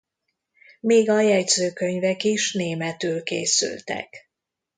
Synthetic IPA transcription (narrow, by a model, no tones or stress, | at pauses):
meːɡɒjɛɟzøːkø̞ɲvɛkiʃneːmɛt̪yːlkḛːsy̰lt̪ɛ̰k